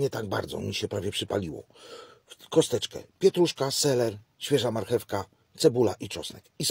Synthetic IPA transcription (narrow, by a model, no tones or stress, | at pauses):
ɲɛt̪aɡ̚ba̰ɾd̪zɔ̰mʲiɕɛpɾavjɛpʂɘpa̰lʲiwɔ̰ | kɔst̪ɛt͡ʂkɛ̰pʲjɛt̪ɾuʂkasɛlɛɾ | ɕfʲjɛʐamaɾxɛfka | t̪sɛbula̰ʔit͡ʂɔsnɛkis